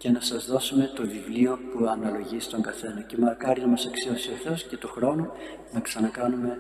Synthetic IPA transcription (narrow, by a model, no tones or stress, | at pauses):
ce̞nɐsɐzðo̞sume̞t̪o̞vivlio̞puɐnɐlo̞ʝist̪o̞ŋɡɐθe̞nɐcemɐkɐɾinɐmɐsɐksio̞sio̞θe̞o̞sce̞t̪uxɾo̞nu | nɐksɐnɐkɐnume̞